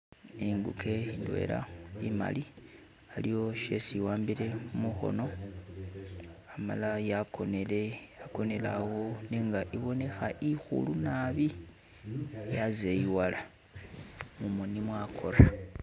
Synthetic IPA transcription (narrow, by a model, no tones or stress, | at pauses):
iŋɡukʰe̞indwe̞̰la̰ima̰li | alijo̞ʃe̞siwaːmbile̞muxo̞̰no̞ | ama̰lajakonelejako̞ne̞lawo̞neːŋɡaʔiβo̞ne̞xaʔixṵlunaβi | jazeiwala | mumunimwakʰo̞ɾa